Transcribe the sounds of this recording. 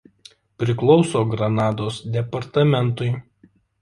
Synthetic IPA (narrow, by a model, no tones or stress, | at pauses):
pʲɾʲɪklˠɒʊsoːɡɾɐnɑːd̪oːsd̪ʲɛpɐɾt̪ɐmʲɛnˑt̪ʊɪ